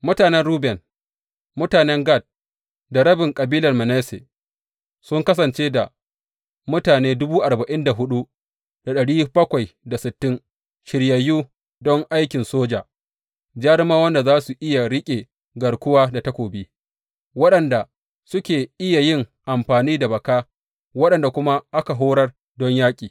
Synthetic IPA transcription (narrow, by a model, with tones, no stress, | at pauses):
mʊ˦taː˨nɛ˦nɽuː˦bɛ˨n | mʊ˦taː˨nɛ˦ŋɡa˦˨t̚ | da˨ɾɐ˦bɪ˨ŋkʼɐ˨biː˦lɐ˨rmɐ˨nɛː˦sḛ˨ | sʊ˦ŋkɐ˦sɐ˨nt͡ʃeː˦da˨ | mʊ˦taː˨neː˦dʊ˦buː˦ʔa˨ɾbɐ˨ʔɪ˦nda˨ɦʊ˦ɗu˦ | d̥a˨ɗɐ˨ɽiː˦bɐ˦kʷa˨jda˨sɪ˨tːɪ˦ŋ | ʃɪ˨ɽjɐ˨juː˦ | dɔ˦ŋʔa˦jkʲɪ˨nsoː˦d͡ʒaː˨ | d͡ʒaː˦ɽɪ˦maː˦wɐ˦nda˨zaː˦su˨ʔɪ˦ja˨ɽɪ˦kʲʼe˨ | ɡɐ˨rkʷʊ˦waː˦da˨tɐ˦kʷoː˨biː˦ | wɐ˦ɗɐ˨nda˨ | sʊ˦kʲeː˨ʔɪ˦ja˨jɪ˦ŋʔa˨mɸaː˨niː˦da˨bɐ˨kaː˦ | wɐ˦ɗɐ˨nda˨kʷʊ˦ma˦ʔa˦ka˨ɦoː˦ɽɐ˦r | dɔ˦ɲjaː˦kʲʼiː˨